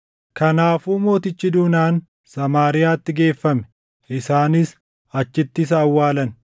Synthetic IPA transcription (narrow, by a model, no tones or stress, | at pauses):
kɐnaːfuːmo̞ːt̪ɪt͡ʃːɪd̪uːnaːn | sɐmaːɾɪjaːt̪ːɪɡe̞ːfːɐmɛ̥ | ʔɪsaːnɪs | ɐt͡ʃːɪt̪ːɪs̬ɐːwːaːlɐn